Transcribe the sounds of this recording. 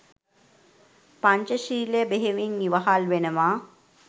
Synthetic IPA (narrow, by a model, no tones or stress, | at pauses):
paɲt͡ʃəʃiːlejəbeɦeʋiŋːiʋaɦalʋenəʋaː